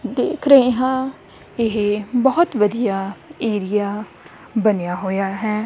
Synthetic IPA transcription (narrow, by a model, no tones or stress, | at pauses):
d̪eːkʰɾəɦeɦãː | ɪɦbɔɦʊt̪ʋəd̪ijaːeːɾɪjaː | bənejaːɦoːjaːɦɛː